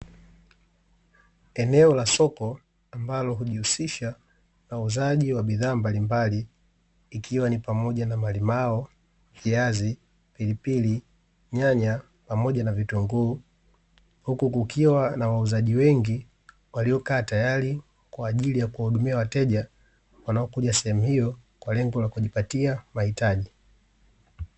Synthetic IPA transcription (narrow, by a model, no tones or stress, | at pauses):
ɛnɛɔlasɔkɔ | ambalɔɦuʄihusiʃa | nauzaʄiwaɓiðaːmbalimbaliː | kʰiwanipamɔʄanamalimaɔ | hiazi | pilipili | ɲaɲa | pamɔɟanavituŋɡuː | hukukukiwanawauzaʄiwɛŋɡi | waliɔkaːtajali | kwaːʄilijakuwahuɗumiawatɛʄa | wanaɔkuʄasɛhɛmuhijɔkwalɛŋɡɔlakuʄipatiamahitaʄi